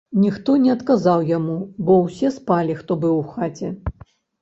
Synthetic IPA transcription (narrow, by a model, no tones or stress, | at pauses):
nʲixt̪ɔnʲɛɐt̪kazawjamubɔwsʲɛspalʲixt̪ɔbɨwxat͡sʲɛ